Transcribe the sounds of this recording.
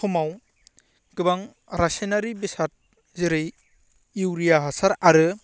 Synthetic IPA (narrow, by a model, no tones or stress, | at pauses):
kʰumaw | ɡ̥ɯbaŋ | ɾasenaɾibisat̚ | ziɾɯj | iwɾijaɦasaɾaɾɯ